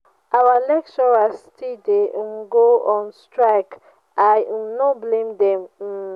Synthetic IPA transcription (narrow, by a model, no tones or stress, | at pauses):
ʔawalɛk̚t͡ʃɔɹastʰidemɡoɔ̃nstɹaɪk | ajnɔblẽmdɛ̃m̩